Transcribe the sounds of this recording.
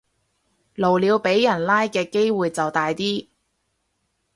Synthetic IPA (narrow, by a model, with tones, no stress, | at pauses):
lo˨˩wliː˨˧wpe˨˥jːɐ˨˩nlaː˥jkɛː˧ke˥jwuː˨jt͡sɐ˨wt̪aː˨jt̪iː˥